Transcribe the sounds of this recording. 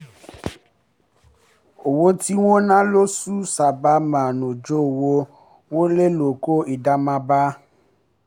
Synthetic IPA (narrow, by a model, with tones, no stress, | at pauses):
o˨wo˧ti˦wo˦nã˦lo˦su˦sa˨ba˨˦mã˨nõ˨d͡ʒo˦˨wo˧ | wo˦le˦lo˨ko˦i˨da˨mã˧ba˦